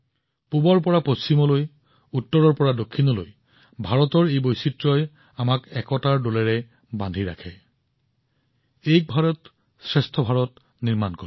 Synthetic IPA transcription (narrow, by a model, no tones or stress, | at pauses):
pubɔɹpɔɹapost͡ʃimɔloj | utːɔɹɔɹpɔɹadokʰːinɔlo̰j | bʱaɹɔtɔɹejbojsitɹɔj | amakɛkɔtaɹdolɛɹɛ | bandʱiɹa̰kʰɛ | ejk̚bʱaɹɔt | sɹɛstʰɔbʱaɹɔt | niɹmankɔ